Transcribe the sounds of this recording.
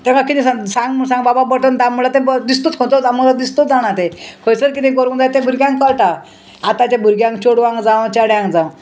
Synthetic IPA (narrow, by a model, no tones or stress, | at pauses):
t̪ẽkakit̪ĩsasãŋɡmsãŋɡbababəʈ̪ənd̪amulat̪ebd̪ist̪ut̪kʰõt̪od͡zaməlad̪ist̪ot̪d͡zaɽ̃at̪ekʰojsəɾkit̪ĩkoɾund͡zajt̪ebʱuɾɡʲjãŋkːəɭʈa | at̪at͡ɕabʱuɾɡjãŋkt͡ɕoɽʋãŋɡd͡zaw̃t͡ɕaɽjãŋɡd͡zãw